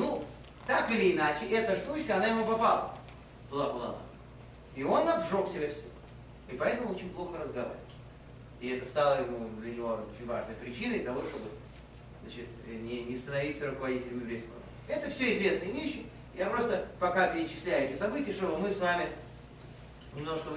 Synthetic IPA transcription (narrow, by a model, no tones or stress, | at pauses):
nu | t̪akɨlʲɪːnat͡ɕɪɛt̪əʐt̪ut͡ɕkəɐnajɪmupɐpalˠə̰ | t̪ʊlˠabəlˠa̰na̰ | ɪo̞nːɐvʐo̞ksʲɪbʲafsʲo | ipɐɛt̪əmʊo̞t͡ɕɪnʲplˠo̞xəɾəzɡɐva̰ɾʲɪvət̪ʲ | ɪɛt̪əst̪alˠəjɪmud̪lʲənʲɪvo̞ot͡ɕʲɪnʲva̰ʐnəjpɾʲɪt͡ɕinəjt̪ɐvo̞ʂt̪o̞bɨ | znat͡ɕɪt̪nʲɪnʲɪst̪ənɐvʲit̪səɾʊkəvɐdʲitʲɪlʲɪmjɪvbɾʲejskəv̰ | ɛt̪əfsʲoɪzvʲe̞snɨjəvʲeɕːɪ | japɾo̞st̪əpɐkapʲɪɾʲɪt͡ɕɪ̥sʲlʲæjɛtʲɪsɐbɨtʲɪjəʂt̪o̞bɨmɨsvamʲɪ | nʲɪmno̞ʂkə